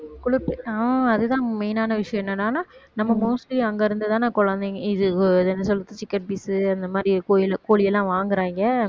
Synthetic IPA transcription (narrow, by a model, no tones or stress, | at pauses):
kʊɭɪpːɯɐɐðɯt̪ãːmɛɪnaːnɐʋɪʂɐjɐ̃ɛnːɐnːaːnaːnɐmːɐmoːsliɐŋɡɐɪɾɯnd̪ɐt̪aːnãːkɔɻɐnd̪eŋɡɐɪðɯðɛnːɐsɔlːɯt̪ːɯt͡ʃɪkːɐʈ̚biːsɯɐnd̪ɐmaːd̪ɾikoːjɪlɐkoːɭɪjɛlːãːʋaːŋɡɪɾaːŋɡɐ